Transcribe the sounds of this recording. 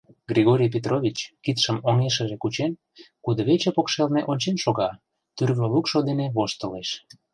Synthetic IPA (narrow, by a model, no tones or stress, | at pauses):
ɡrʲiɣoɾʲijp̬ʲet̪rʔoβʲit͡ɕkit̪ʃəmoŋeʃə̆ʒekut͡ɕen | kud̪əβet͡ɕepokʃelneʔonʲt͡ɕenʃoɣɑ | t̪yrβolukʃod̪eneβoʃt̪əleʃ